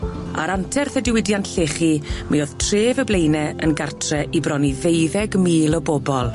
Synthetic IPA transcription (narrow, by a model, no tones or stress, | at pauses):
a̰ɾantʰɛrθədɪwɪdjantɬeːχimioð̥tʰreːvəblejnɛənɡartʰrɛʔibrɔnivejðɛɡmiːlˠɔboːbɔlˠ